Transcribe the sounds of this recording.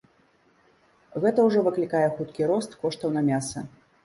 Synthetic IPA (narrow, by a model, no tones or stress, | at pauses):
ɣɛt̪ɐwʐɔvɨklʲikajɛxut̪kʲiɾɔst̪kɔʂt̪ɐwnɐmʲasɐ